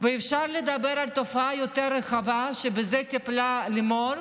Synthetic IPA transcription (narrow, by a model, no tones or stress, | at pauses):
veːfʃaɾled̪abeɾalt̪ofaajot̪eɾːeχavaʃebezet̪iplalimoɾ